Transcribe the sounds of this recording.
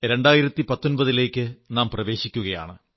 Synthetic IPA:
ɾe̞ɳɖaːjiɾɐt̪ːipɐt̪ːo̞nbɐðile̞ːkʲːɨnaːmprɐʋe̞ːɕikʲːuɣɐja̰ːɳɨ

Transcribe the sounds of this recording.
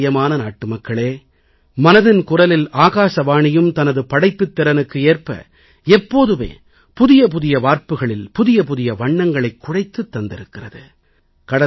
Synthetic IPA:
jɐmaːnɐnaːʈːɯmɐkːɐɭeː | mɐnɐðɪnkʊrɐlɪlaːɣaːsɐʋaːɳɪjɯmt̪ɐnɐðɯpɐɽɐɪpːɯt̪ːɪɾɐnɯkːɯeːrpɐ̰ | ɛpːoːðɯʋḛː | pʊðɪjɐp̬ʊðɪjɐʋaːɾpɯɣɐɭɪlpʊðɪjɐpʊðɪjɐʋɐɳːɐŋɡɐɭɐɪkːʊrɐɪt̪ːɯt̪ːɐnd̪ɪ̰ɾɯkːɪrɐðɯ | kɐɽɐ

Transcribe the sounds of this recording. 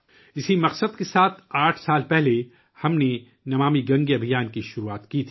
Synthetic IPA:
ɪsimɐqsəd̪kesaːt̪ʰaːʈʰsaːlpɛɦle | hɐmne | nɐʋaːmiɡɐ̃ŋɡiɐbʱijaːnkiʃʊɾuaːt̪kit̪ʰi̥ː

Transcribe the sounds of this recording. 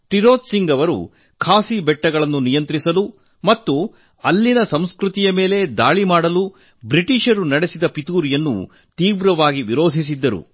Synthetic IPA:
ʈiɾo̞ːt̪siŋɡɐʋɐɾṵ | kʰaːsibɛʈːɐɡɐɭɐnːunijɐnt̪ɾisɐlu | mɐt̪ːu | ɐlːinɐsɐmskɾut̪ijɐme̞ːle̞d̪aːɭimaːɽɐlu | bɾiʈiʃɐɾunɐɽesid̪ɐpit̪uːɾijɐnːṵ | t̪iːʋɾɐʋaːɡiʋiɾo̞ːd̪ʱis̬id̪ːɐɾṵ

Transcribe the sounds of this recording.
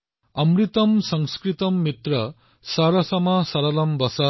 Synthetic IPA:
ʌmrit̪ʌmsʌŋskɾit̪ʌmːit̪rʌ | saɾʌsʌmʌsʌɾʌlʌmbʌsa

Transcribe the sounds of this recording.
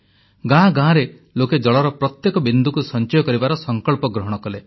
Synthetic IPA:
ɡãɡãɾe | loked͡ʒɔɭɔɾɔpɾɔt̪jekɔbind̪ʱukusɔnt͡ʃɔjɔkɔɾibaɾɔsɔŋkɔɭpɔɡɾɔɦɔɽ̃ɔkɔle

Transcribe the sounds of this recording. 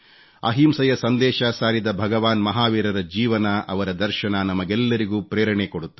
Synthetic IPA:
ɐ̰ɦiːmsɐjɐsɐnd̪ɛːʃɐsaːɾid̪ɐbʱɐɡɐʋaːnmɐɦaːʋiːɾɐɾɐd͡ʒiːʋɐnɐʔɐʋɐɾɐd̪ɐɾʃɐnɐnɐmɐɡɛlːɐɾiɡuːpɾeːɾɐɳekoɽut̪ːu

